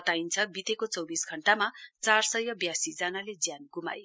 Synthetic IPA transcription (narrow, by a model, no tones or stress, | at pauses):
ʌt̪aint͡sʰʌbit̪ekot͡sʌwbisɡʱʌɳʈamat͡sarsʌjʌbjasid͡zʌnaled͡zjanɡuma̰j